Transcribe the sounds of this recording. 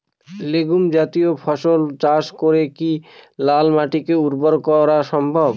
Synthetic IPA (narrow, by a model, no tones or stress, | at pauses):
leɡumd͡ʑat̪iopʰɔʃolt͡ɕaʃkoɾekilalmaʈikeuɾboɾkɔɾaʃɔmbʱob